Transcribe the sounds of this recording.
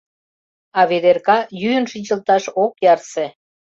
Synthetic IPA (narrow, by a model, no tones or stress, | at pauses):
ɑβed̪erkɑjyənʃinʲt͡ɕə̆lt̪ɑʃokjɑrse